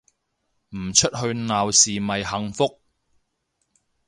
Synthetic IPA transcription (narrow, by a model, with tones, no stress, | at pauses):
m̩˨˩t͡ʃʰɵ˥t̚ɦɵ˧ɥnaː˨wsiː˨mɐ˨jhɐ˨˧ŋfʊ˥k̚